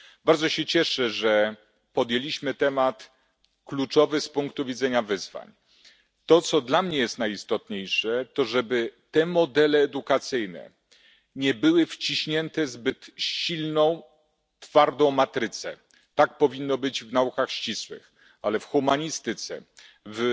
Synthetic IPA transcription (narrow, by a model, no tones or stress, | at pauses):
baɾd̪zɔɕɛt͡ɕɛʂɛʐɛ | pɔd̪jelʲiɕmɘt̪ɛmat̪ | klut͡ʂɔvɘspuŋkt̪uvʲid̪zɛɲavɘzva̰ɲ | t̪ɔt̪sɔd̪lamɲɛjɛst̪najist̪ɔt̪ɲejʂɛt̪ɔʐɛbɘt̪ɛmɔd̪ɛlɛːd̪ukat̪sɘjnɛ̰ | ɲɛbɘwɘft͡ɕiɕɲɛnt̪ɛzbɘt̪ɕilnɔ̃w̃ | t̪faɾd̪ɔ̃w̃mat̪ɾɘt̪sɛ̰ | t̪ak̚pɔvʲinːɔbɘd͡ʑvnaukaxɕt͡ɕiswɘ̰x | alɛfxumaɲist̪ɘt̪sɛ̰ | v